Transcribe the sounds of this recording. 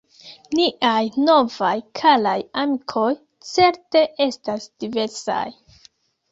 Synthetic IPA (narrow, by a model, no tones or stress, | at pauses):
niʔajno̞vajkʰalajamikʰo̞j | t͡se̞ɾte̞ʔe̞stasd̥ive̞ɾsa̰j